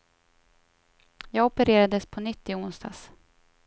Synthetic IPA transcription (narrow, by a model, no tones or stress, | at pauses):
jɑːɡɔpəɾeːɾad̪əspʰɔnʏt̪ːɪʊnst̪a̰ːs